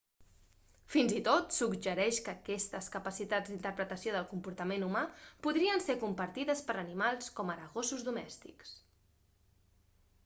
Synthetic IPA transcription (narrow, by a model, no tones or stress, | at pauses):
finzit̪ot̪suɡʒəɾɛʃkəkɛst̪əskəpəsit̪ad͡zd̪int̪əɾpɾət̪əsjoð̞əlˠkumpuɾt̪əmenumapuðɾiənsekumpəɾt̪iðəspəɾənimalˠskɔməɾəɣosuzðumɛst̪ḭks